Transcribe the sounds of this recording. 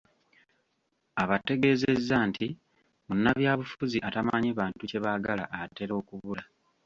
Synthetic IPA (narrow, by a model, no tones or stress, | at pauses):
aβate̞ɡe̞ːze̞zːaːntʰi | munːaβjaːβufuziʔatamaɲiβaːntuce̞βaɡala̰ʔːte̞ɾo̞ːkuβula